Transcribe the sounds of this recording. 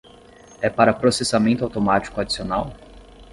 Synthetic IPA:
ɛpaɾɐpɾosesamẽnt̪ʊawt̪omat͡ʃi̥kʊad͡ʒisionaw

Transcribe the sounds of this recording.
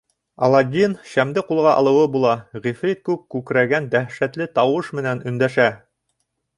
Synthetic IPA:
ɑ̰lˠɑd̪ʲinʃæmd̪ɘqulˠʁɑʔɑ̰lˠɤ̆wɤbulˠɑʁifrʲit̪̚kʉpkʉkɾæɡænd̪æhʃæt̪lɘt̪ɑwɤʃmɘ̆nænɵ̆nd̪æʃæ

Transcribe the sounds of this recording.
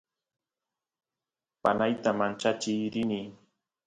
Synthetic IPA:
panajt̪amant͡ʃat͡ʃɪjɾɪni

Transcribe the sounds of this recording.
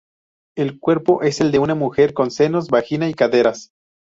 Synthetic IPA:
e̞lkwe̞ɾpo̞ʔe̞se̞ld̪eunamuxe̞ɾko̞nse̞no̞zbaxinaikaðe̞ɾas

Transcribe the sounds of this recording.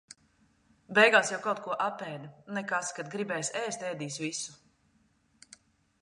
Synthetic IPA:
bɛjɡaːsjawkawt̪kuɔʔapɛːd̪nɛkaskad̪̚ɡɾibɛːjsʲɛːst̪ʲɛːd̪iːsvisu̥

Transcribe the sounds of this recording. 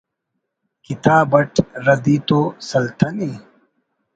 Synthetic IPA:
kit̪aːbɐʈɾɐd̪it̪oːsɐlt̪ʰɐni

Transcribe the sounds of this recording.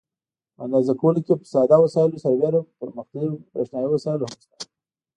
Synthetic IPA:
a̰nd̪ɑzakawəlokepəsɑd̪ɑwasɑjlosaɾbeɾapəɾməxt̪awipeʃnɑjiwasɑjɪlohamʃt̪ḁ

